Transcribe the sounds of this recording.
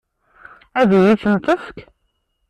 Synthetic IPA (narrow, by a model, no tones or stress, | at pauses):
æðijiθənt̪ˤəfk